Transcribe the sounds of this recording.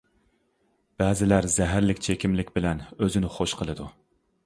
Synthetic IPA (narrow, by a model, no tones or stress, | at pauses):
b̥ɛːzɪlæɾzɛɦæɾlɪkʲt͡ʃʰekʲimlɪkʲbɪlɛnøzɪnɪχoʃqʰəlˠɨd̪u